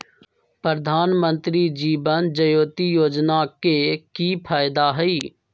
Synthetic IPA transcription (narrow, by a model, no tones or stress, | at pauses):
pɾəd̪ʱaːnmə̃nt̪ɾid͡ʒiːbənd͡ʒəjoːt̪ijoːd͡ʒnakekipʰaːjd̪aɦɛiː